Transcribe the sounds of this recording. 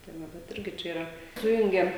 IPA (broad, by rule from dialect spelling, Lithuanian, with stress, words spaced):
tɐɪ ˈʋɐ bʲɛt ˈɪrʲɡʲɪ ˈt͡ʃʲɛ iːˈrɐ ˈsʊjʊŋʲɡʲɛm